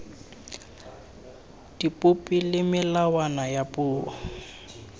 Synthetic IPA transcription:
d̥ipʼʊpʼilɪmɪlawanajapʼʊːwɔ̰

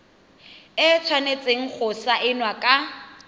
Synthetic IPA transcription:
ɪt͡sʰwanet͡sʼeŋ̩k͡xʰʊsaʔɪnwakʼa

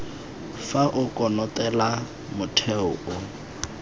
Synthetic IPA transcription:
faʔʊkʼɔnɔtʼɛla | mʊtʰɛʊʔʊ

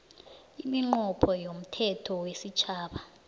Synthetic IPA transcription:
imiŋ͡ǃɔpʰɔjom̩tʰɛtʰɔwesit͡ʃʰaːɓa

